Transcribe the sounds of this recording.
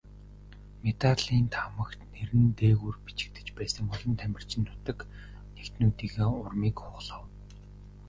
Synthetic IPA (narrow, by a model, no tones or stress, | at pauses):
met̪aɮiːnt̪ʰamə̆kt̪neɾɘ̆nt̪eːɣurpi̥t͡ɕɪ̥̆kt̪ɘ̥̆t͡ɕpæːsə̆ŋpɔɮɞ̆nt̪ʰæmʲɪ̆r̥t͡ɕɪ̆nt̪ʰʊ̥t̪ə̆k | nekt̪nuːt̪iːɣeːʊrmiːkχʊːɮə̆w